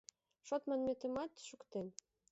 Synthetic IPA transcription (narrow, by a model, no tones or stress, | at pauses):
ʃot̪mɑnmet̪ə̆mɑt̪ʃukt̪en